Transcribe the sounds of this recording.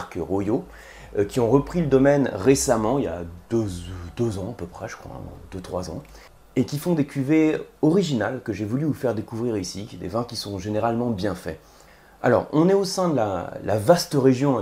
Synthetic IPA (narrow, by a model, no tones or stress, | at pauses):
kəʁojo | kʲiɔ̃ʁəpχiləd̪ɔmɛnʁesamɑ̃ilja̰d̪ød̪øzɑ̃apəpχɛʒə̥kχwã̰d̪̥øt̪χwazɑ̰̃ | ekʲifɔ̃d̪ekʲyveɔʁiʒinalkəʒevulyufɛʁd̪ekuvʁiʁisid̪ḛvɛ̃kʲisɔ̃ʒeneʁalmɑ̃bjɛ̃fɛ̰ | a̰lɔ̰ʁɔ̃nɛosɛ̃d̪əla̰lʔa̰vast̪əʁeʒjɔ̃